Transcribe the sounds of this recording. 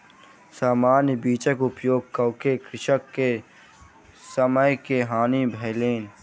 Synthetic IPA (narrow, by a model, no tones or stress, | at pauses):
saːmaːnjbiːt͡ʃəkʊpjoːɡ̚kəwkekɾɪʃəkːe | səməjkeɦaːnibʱɛːleːn